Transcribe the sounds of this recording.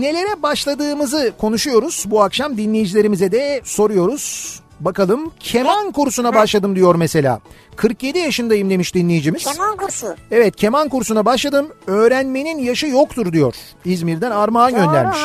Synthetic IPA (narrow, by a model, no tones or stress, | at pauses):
ne̞lʲe̞ɾɛbaʃlˠad̪ɯːmɯzɯkʰo̞nuʃujo̞ɾuz̥buakʃamd̪inlʲejid͡ʒilʲeɾimizɛd̪ɛso̞ɾujo̞ɾuz̥ | bakalˠɯmcʰe̞mankuɾsunabaʃlˠad̪ɯmd̪ijo̞ɾmese̞lʲa̰ː | kʰɯɾkjed̪ijaʃɯnd̪ajɯmd̪e̞miʃd̪inlʲejid͡ʒimiz̥ | ɛvɛt̪̚cʰe̞mankuɾsunabaʃlˠad̪ɯmø̞ːɾænme̞ninjaʃɯjokt̪ʰuɾd̪ijo̞ɾ̥ | izmiɾd̪ænaɾmaːnɟø̞nlʲæ̰ɾmiʃ